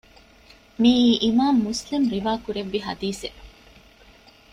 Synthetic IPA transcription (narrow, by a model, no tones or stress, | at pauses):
miːʔimaːmːuslimɾiʋaːkuɾeʋːiɦɐ̰d̪iːse